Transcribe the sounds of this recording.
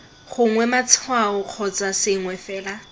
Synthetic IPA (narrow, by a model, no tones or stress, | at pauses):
χʊŋwɛmat͡sʰwaʊq͡χʰɔt͡sasɪŋwɛfɛːla